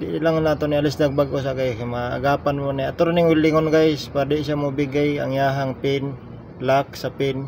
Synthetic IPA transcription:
d̪iʔilaŋnaːt̪onialɪsd̪aɡ̚baɡos̬aɡajkma̰ːɡaːpanmoniat̪oɾaniŋwɪlːɪŋonɡajspadɛsamubiɡaja̰ŋjaɦaŋpɪn | lak̚sapɪn

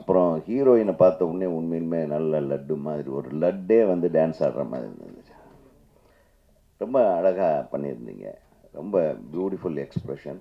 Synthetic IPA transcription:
ɐpːɯɾɔ̃hiːɾoːɪnɐpaːɾt̪ːɐʊɳːeːʊɳmeːɪlmeːnɐlːɐlɐɖːɯmaːðɪɾiɔɾɯlɐɖːeːʋɐnd̪ɯɖaːnsaːɽɾɐ̰ma̰ːðɪɾiɐ̰nd̪ɯt͡ʃː | ɾɔmbɐːɽɐɣapɐɳːɪ̰ɾɯnd̪ḭːŋɡɐ̰ | ɾɔmbɐbjuːʈɪfʊlɛkspɾɛʂɐn

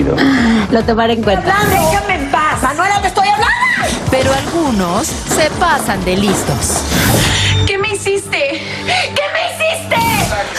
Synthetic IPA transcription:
o̰lot̪omaɾeŋkwet̪aaekemepasanoeɾat̪est̪ojaβland̪ope̞ɾoalɣuno̞sːe̞pasand̪elist̪o̞̰s | kemeisist̪e | kemeisist̪e

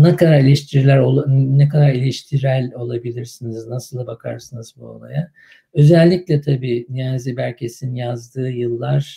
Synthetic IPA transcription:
nɛkad̪aɾilʲɛʃt̪ʰiɾilʲæɾolˠnɛkʰad̪aɾilʲɛʃt̪ʰiɾælʲo̞lˠabilʲiɾsiniznasɯlˠabakʰa̰ɾsɯnɯzbuo̰lˠa̰ja | ø̞zɛlʲːiclʲɛt̪ʰabiːnijanzibælʲcʰesinnjazd̪ɯːjɯlˠːaɾ̥

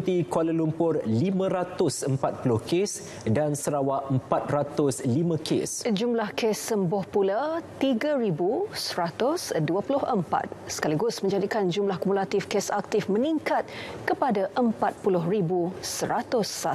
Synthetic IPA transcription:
ut̪ikwaləlumpʊrlimə̃ɾat̪ʊsəmpat̪̚pulʊhkes | dansəɾawaəmpat̪̚rat̪ʊslimãkʰḛsd͡ʒumlahkesːəmbʊhpulat̪iɡaɾibusəɾat̪ʊsduəpulʊhʔəmpa̰t̪̚sə̥kaliɡʊsmə̃ɲd͡ʒadikand͡ʒumlahkumulat̪ifkesak̚t̪ɪfməniŋkat̪̚kəpadaʔəmpat̪̚pulʊɦribusəɾat̪ʊsa

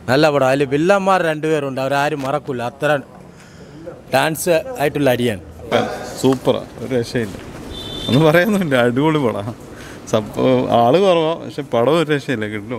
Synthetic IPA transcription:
nɐlːɐpɐɽɐaːlːibilːaːmːaːrɾe̞ɳɖupeːruɳɖɐʋɐɾaːɾumːɐrɐkːulːɐːt̪ːɐɾɐm | ɖaːnsɨaːjiʈːuɭːɐːɽijaːnɐaːnsuːpːɐra̰ːoɾuɾeʂɐjilːɐ̰enːɨpɐrɐjɐnːɐinːeɐɽuɣoɭumpɐɽa | sɐaːɭɨɣɐrɐmoːpɐ̰kʂepɐɽɐmoɾuɾeʂɐjilːɐkiʈːilu

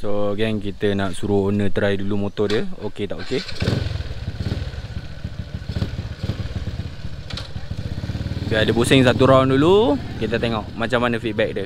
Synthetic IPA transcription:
soɡɛŋkit̪ənaʔsuɾuonə̃t̪əɾaidulumot̪ɔdiəoket̪aʔoke | bialəbusɪŋs̬at̪uɾawndulukit̪ət̪eŋɔʔmat͡ʃamːanə̃fit̪̚bɛk̚də

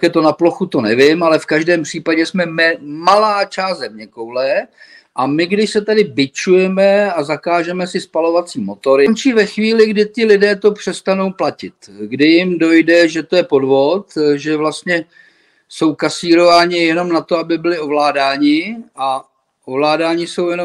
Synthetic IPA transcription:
jɛt̪o̞naploxut̪o̞nɛvɪmalɛfkaʒdɛːmpr̝̥iːpaɟɛsmɛmɪmalaːt͡ʃaːst̪zɛmɲɛkowlɛ | ʔamɪɡdɪʃsɛt̪adɪbɪt͡ʃujɛmɛazakaːʒɛmɛsɪspalo̞vat͡siːmo̞t̪o̞ɾɪmt͡ʃiːvɛxviːlɪɡdɪt̪ɪlɪdɛːt̪o̞pr̝̥ɛst̪ano̞wplacɪt̪ɡdɪjɪmdo̞jdɛʒɛt̪ojɛpo̞dvo̞t̪ʒɛvlast̪ɲɛ | so̞wkasiːɾo̞vaːɲɪjɛno̞mnat̪o̞abɪbɪlɪo̞vlaːdaːɲɪʔa | ʔovlaːdaːɲɪso̞wjɛnom

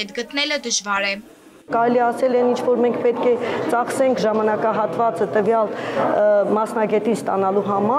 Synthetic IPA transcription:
ɛt̪ɡət̪nɛləd̪əʒvɑɾɛ | kɑɾɛliɛɑsɛlɛnint͡ʃʰvɔɾmɛŋkʰpɛt̪kʰɛt͡sɑχsɛŋkʰʒɑmɑnɑkɑɦɑt̪vɑt͡sət̪əvjɑl | mɑsn̪ɑɡɛt̪inst̪ɑnɑluɦɑmɑ

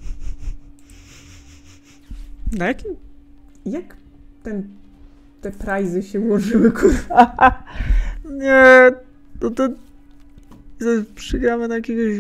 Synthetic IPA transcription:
najakʲim | jak | t̪ɛn | t̪ɛpɾajzɨɕɛwɔʐɨwɘkʰut̪a | ɲɛ | nɔt̪ɔ | zapʂɨɡɾamɘnajakʲɛɡɔʑ

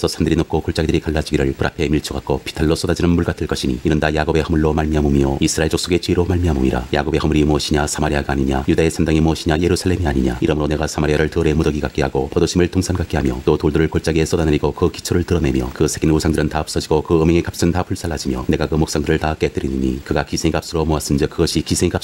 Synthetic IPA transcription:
sʰʌsʰandɯɾinok͈ʰokoɭt͡ɕ͈aɡidɯɾikaɭːad͡ʑiɡiɾɯɭpɯɾʔa̰pʰe̞miɭt͡ɕʰuɡak͈opʰi̥tʰaɭːos͈odad͡ʑinɯnmuɭkatʰɯɭk͈ʌɕʰiɲḭiɾɯndajaɡobe̞hɯmɯɭːomaɭmiamumjoisʰɯɾaeɭd͡ʑok̚s͈oɡe̞t͡ɕiiɾomaɭmiɦamuɲiɾa̰ja̰ɡobe̞hɯmɯɾimuʌɕʰiɲasʰamaɾiaɡaaɲiɲajudaesʰandaŋimuʌɕʰiɲaje̞ɾusʰaɭːe̞miaɲiɲa̰iɾʌmɯɾone̞ɡasʰamaɾiaɾɯɭtɯʌɾe̞modʌɡiɡak͈iɦaɡopodoɕʰimɯɭtʰoŋsʰanɡak͈iɦamjʌt͈otoɭdɯɾɯɭkoɭt͡ɕ͈aɡe̞s͈ʌdanɯɾiɡokɯkit͡ɕʰoɾɯɭtɯɾʌne̞mjʌkɯsʰe̞ɡinusʰaŋdɯɾɯntaʌp̚s͈ʌd͡ʑiɡokɯɯmeŋekap̚s͈ɯntapʰuɭs͈aɭːhad͡ʑimjʌne̞ɡakɯmok̚s͈aŋdɯɾɯɭtak͈e̞t͈ɯɾinɯɲḭkɯɡakisʰeŋikap̚s͈ɯɾomoas͈ɯnd͡ʑikɯɡʌɕʰikisʰeŋika

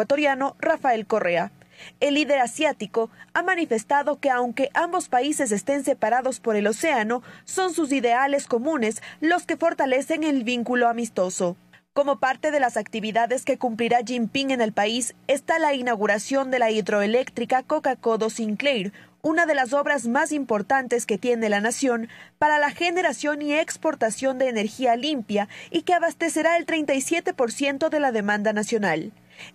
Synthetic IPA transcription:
wat̪oɾjano̞rafae̞lko̞re̞aelːiðe̞ɾasjat̪iko̞amanife̞st̪aðo̞ke̞awŋke̞ʔambo̞spaise̞s̬e̞st̪e̞nse̞paɾaðo̞spo̞ɾe̞lo̞se̞ano̞so̞nsus̬iðe̞ale̞sko̞mũne̞slo̞ske̞fo̞ɾt̪ale̞se̞ŋe̞lβiŋkulo̞amist̪o̞so̞ | ko̞mo̞paɾt̪e̞ð̞e̞lasakt̪iβ̞iðaðe̞ske̞kumpliɾaʒimpiŋe̞ne̞lpaise̞st̪alainawɣuɾasjo̞nd̪e̞laiðɾo̞ele̞kt̪ɾikako̞kako̞ðo̞siŋklejɾ | unaðe̞las̬o̞βɾazmasimpo̞ɾt̪ant̪e̞ske̞t̪je̞ne̞lanasjo̞npaɾalaxe̞ne̞ɾasjo̞nie̞kspo̞ɾt̪asjo̞nd̪e̞ːne̞ɾxialimpjaike̞aβast̪e̞se̞ɾae̞lt̪ɾejnt̪ajsje̞t̪e̞po̞ɾsje̞nt̪oðe̞laðe̞mãnd̪anasjo̞nal

